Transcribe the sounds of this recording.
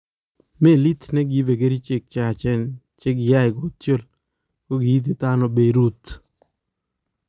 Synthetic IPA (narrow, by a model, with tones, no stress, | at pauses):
me˦˨li˦t̪nɛ˦ɡi˨˦ve˨ɡe˦ɾi˦t͡ʃe˦k̚t͡ʃa˨t͡ʃɛ˦n | t͡ʃe˦ɡja˦ɪ˨ɡo˨t̪t͡ʃo˦˨l | ko˦ɡɪ˨i˦t̪̬i˨t̪a˦no˨be˨ɾu˦t̪